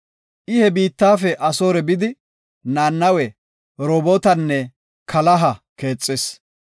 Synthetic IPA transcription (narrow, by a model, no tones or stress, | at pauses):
ʔɪhɛbiːt̪ːaːfɛʔɐsoːɾɛbɪd̪ɪ | naːnːɐwɛ | ɾɔbot̪ɐnːɛ | kʰɐlɐɦɐke̞ːt͡sʼːes